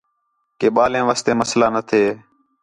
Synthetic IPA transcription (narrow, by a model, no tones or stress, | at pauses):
keːɓaːlẽːʋaːst̪eːməslaːnət̪ʰeː